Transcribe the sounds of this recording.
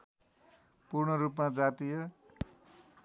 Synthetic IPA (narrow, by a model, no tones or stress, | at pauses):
purɳʌɾupmad͡zat̪ijʌ